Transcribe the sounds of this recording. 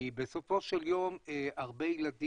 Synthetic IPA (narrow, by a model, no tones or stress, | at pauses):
ibeso̞fo̞ʃeljo̞meaʁbe̞jilad̪i